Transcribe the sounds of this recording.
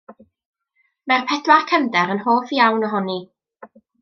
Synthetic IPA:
mɛrpʰɛdwakʰəndɛɾənɦoːfjawnɔɦɔni

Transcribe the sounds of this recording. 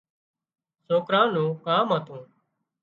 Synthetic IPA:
soːkɾãːnũːkaːmaːt̪ũː

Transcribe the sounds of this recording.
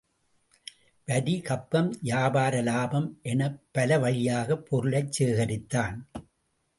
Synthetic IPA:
ʋɐðikɐpːɐmjaːbaːɾɐlaːbɐmʔɛnɐpːɐlɐʋɐɻɪjaːɣɐpʰːɔɾɯɭɐɪt͡ʃseːɣɐɾɪt̪ːaːn

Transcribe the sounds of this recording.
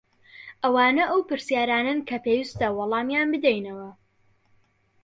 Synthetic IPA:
ʔɐwaːnɐʔɐwpɨɾsjaːɾaːnɐnkʰɐpeːjist̪ɐwɑlˠɑːmjaːnbɨd̪ɛjnɐwɐ

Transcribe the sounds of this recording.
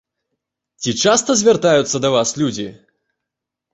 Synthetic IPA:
t͡sʲit͡ʂast̪ɐzʲvʲart̪ajut̪sːɐd̪ɐvaslʲud͡zʲi

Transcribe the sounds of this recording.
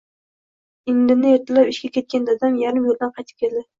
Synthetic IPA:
ɪŋlɪnɪeɾt̪ʰalapɪʃkʲakʲʰe̞t̪̚kʲand̪ad̪amjaɾɪmjold̪anqʰɑjt̪ʰɪ̥p̚kʲʰe̞ld̪ɪ

